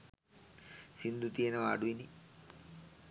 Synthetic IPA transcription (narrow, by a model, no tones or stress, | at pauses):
sind̪ut̪ijenəʋaːɖuʋini